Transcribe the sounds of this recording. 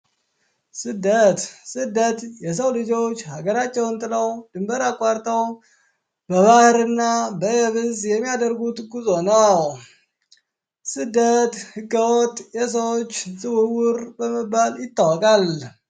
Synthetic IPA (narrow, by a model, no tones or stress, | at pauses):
sɨd̪ːət̪sɨd̪ːət̪jɛs̬əwlɨd͡ʒo̞t͡ʃːhaɡəɾat͡ʃːɛwɨnt̪ʼɨləwd̪̥ɨmbəɾakʼːaɾt̪ʼəw | bəβahɨɾɨnːabəjɛβɨzjɛmːijad̪əɾɡut̪ʼɡuzo̞nəw | sɨd̪ːət̪hɨɡːəwot̪ʼːjɛs̬əwot͡ʃːzʼɨwɨwʊɾbəməbːaljɪt̪ʼːawɔkʼal